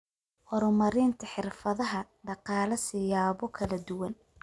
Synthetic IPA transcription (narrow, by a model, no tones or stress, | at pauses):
hɔɾɔmɐɾɪːnt̪ʰɐħɪrfɐðɐɦɐɖɑqɑːlɐsɪjaːβɔkʰɐlɐd̪ʊwɐn